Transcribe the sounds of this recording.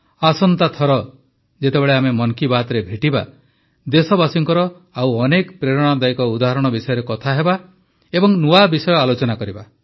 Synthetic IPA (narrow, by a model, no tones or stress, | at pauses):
asɔnt̪at̪ʰɔɾɔ | d͡ʒet̪ebeɭeamemɔŋkibat̪ɾebʱeʈiba̰ | d̪esɔbasiŋkɔɾɔ | awɔnekpɾeɾɔɽ̃ɔd̪ajkɔud̪aɦɔɾɔɽ̃ɔbisɔjɔɾekɔt̪ʰaɦeba | ebɔŋnuwabisɔjɔalot͡ʃɔnakɔɾiba